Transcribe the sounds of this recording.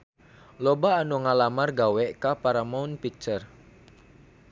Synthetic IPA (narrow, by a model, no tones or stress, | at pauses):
lobaːnuŋalamarɡawɛʔkapaɾamaʊnpik̚t͡ʃər